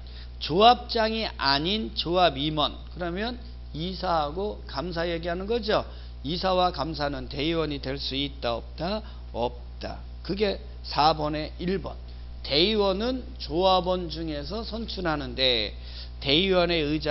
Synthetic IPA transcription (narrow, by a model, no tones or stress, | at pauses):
t͡ɕoap̚t͡ɕ͈aŋiʔaɲint͡ɕoabimʌnkɯɾʌmjʌn | isʰaɦaɡokamsʰaje̞ɡiɦanɯnɡʌd͡ʑo | isʰawakams̬ʰanɯnte̞iwʌɲidwe̞ɭs͈uit̚t͈aʌp̚t͈a | ʌp̚t͈a̰ | kɯɡe̞ | sʰabʌne̞iɭbʌ̰n | te̞iwʌnɯn | t͡ɕoabʌnd͡ʑuŋe̞sʰʌsʰʌnt͡ɕʰuɾɦanɯnde̞ | te̞iwʌne̞ɯd͡ʑa